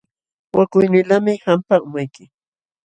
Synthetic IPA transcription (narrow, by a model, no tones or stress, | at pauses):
wakʊjnɪlamɪhampaʊmajkɪ